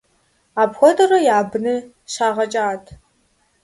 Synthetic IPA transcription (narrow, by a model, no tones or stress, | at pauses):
aːbxʷɔdʼɐrɐjaːbɨnɨ | ɕaːʁɐt͡ʃʼaːtʰ